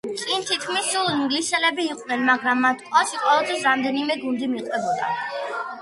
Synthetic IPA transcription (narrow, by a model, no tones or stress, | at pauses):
t̪sʼint̪ʰit̪kʰmisːulˠiŋɡlisɛlɛbiːqʼnɛnmaɡɾamːat̪ʰkʼɔʃiqʼwɔvɛlˠt̪ʰɛsɾamd̪ɛnimɛɡund̪imiqʼwɛbɔd̪a